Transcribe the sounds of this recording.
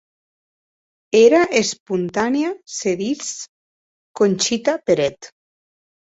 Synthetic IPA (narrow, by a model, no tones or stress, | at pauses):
eɾaʔespunt̪anjaseðis | konʲt͡ʃit̪apeɾɛt̪